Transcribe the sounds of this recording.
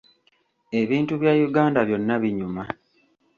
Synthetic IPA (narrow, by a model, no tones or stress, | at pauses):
e̞βiːntuβjaːjuɡaːndaβjo̞nːaβiɲuma